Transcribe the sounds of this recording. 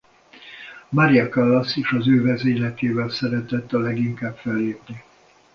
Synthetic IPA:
maɾiɒkalːɒsiʃɒzøːvɛzeːlɛt̪eːvɛlsɛɾɛt̪ɛt̪ːɒlɛɡiŋkaːbfɛlːeːpni

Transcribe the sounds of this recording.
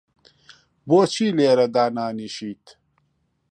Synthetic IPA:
boːt͡ɕʰiːleːɾɐd̪aːnaːniɕiːt̪

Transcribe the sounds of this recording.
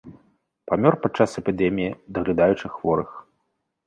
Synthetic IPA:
pamʲɔrpat̪̚t͡ʂːasɛpʲid̪ɛmʲijid̪ɐɣlʲad̪ajut͡ʂɨxvɔɾɨx

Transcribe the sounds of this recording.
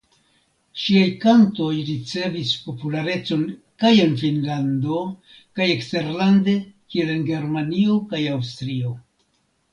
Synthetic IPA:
ʃiajkanto̞jɾit͡se̞vispo̞pulaɾe̞t͡so̞n | kaje̞nfinlando̞ | kajekste̞ɾlande̞kie̞lenɡe̞ɾmanio̞kajawstɾio̞

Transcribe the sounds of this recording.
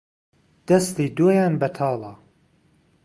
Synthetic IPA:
d̪̥ɐsliːd̪oːjaːnbɐt̪ʰɑːlˠɑ

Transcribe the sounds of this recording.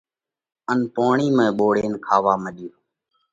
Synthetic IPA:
ənpoːɳiːmẽːɓoːɽeːnkʰaːʋaːməɗjoː

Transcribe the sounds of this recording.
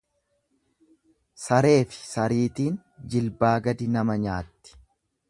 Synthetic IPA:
sɐɾe̞ːfɪ̥sɐɾiːt̪iːn | d͡ʒɪlbaːɡɐd̪ɪnɐmɐɲaːt̪ːɪ̥

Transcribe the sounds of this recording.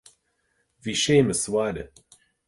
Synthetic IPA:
viʃeːməswaːdə̰

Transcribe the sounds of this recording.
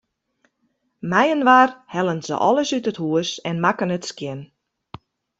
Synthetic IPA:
mɛjənʋarhɛlənzə̰ʔɔ̰lˠəsytəthuəsɛnmakənətskjɪn

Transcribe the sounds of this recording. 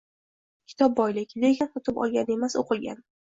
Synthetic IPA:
kʲʰɪ̥t̪ʰɒp̚bɒjlɪkʲd̪eɡʲant̪ɒt̪ʰɪpɒ̰lˠɡʲane̞masʊqʰɨɡʲa̰n

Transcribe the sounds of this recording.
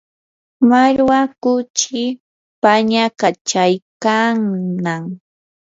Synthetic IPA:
maɾwakʊt͡ʃɪ | paɲakat͡ʃajkaŋnaŋ

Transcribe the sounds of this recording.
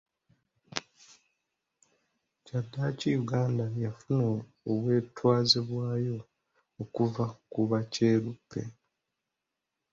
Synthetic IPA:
cadːacijuɡaːndajafunoː | we̞ːtwaːziβwaːjo̞ː | kuvakuβace̞ːɾupʰːe̞̰

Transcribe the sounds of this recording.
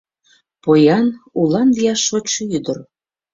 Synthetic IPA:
pojɑnulɑnd̪iɑʃot͡ɕjyd̪ər

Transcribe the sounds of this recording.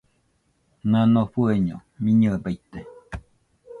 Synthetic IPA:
nanoɸueɲomiɲəbajt̪ːe

